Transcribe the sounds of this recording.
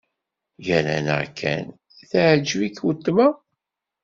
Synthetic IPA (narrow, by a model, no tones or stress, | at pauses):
jælæ̰nə̰kʰːæ̰n | θaʕd͡ʒvikwət̪ːmæ